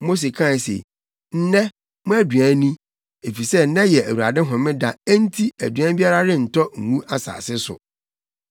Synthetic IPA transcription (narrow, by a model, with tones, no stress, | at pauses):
mo˦s̬e˨kʰã˦˨sḛ˨ | n̩˦nɛ̃˦ | mʊ̃˦æ˦dɥæ̃˨˦nĩ˦ | e˨fi˨sɛ˦nɛ̃˦jɛ˨æ˨wu˨ɾa̰˨dɪ˦ɦɔ̃˨mɪ̃˦da˨æ˦n̩˦tʰi˦æ˨dɥæ̃˦bi˦a˦ɾa˦ɾɪ̃˦n̩˨tʰɔ˦ŋ̩˨mũ˦a˦sa̰ː˨sɪ˦sʊ̰˨